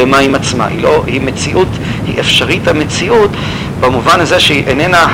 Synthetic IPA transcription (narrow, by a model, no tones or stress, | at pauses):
emaimat͡sma̰hḭlohimet͡siʔut̪ | hḭʔefʃaʁithamet͡siʔut̪ | bamuvanazeʃeʔenena